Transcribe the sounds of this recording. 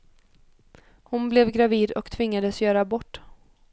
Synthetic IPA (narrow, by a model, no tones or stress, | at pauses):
hʊnblɛvɡɾaviːd̪ɔ̰kt̪ʰvɪŋːad̪əsjœːɾabɔʈː